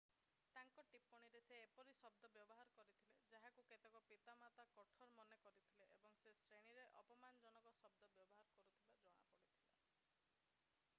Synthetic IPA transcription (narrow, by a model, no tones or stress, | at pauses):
t̪aŋkɔʈipɔɽ̃iɾeseːpɔɾisɔb̚d̪ɔbjɔbɔɦaɾɔkɔɾit̪ʰiled͡ʒaɦakuket̪ekɔpit̪amat̪akɔʈʰɔɾmɔnekɔɾit̪ʰileʔebɔŋsesɾeɽ̃iɾeʔɔpɔmanɔd͡ʒɔnɔkɔsɔb̚d̪ɔbjɔbɔɦaɾɔkɔɾut̪ʰibad͡ʒɔɽ̃a̰pɔɽit̪ʰial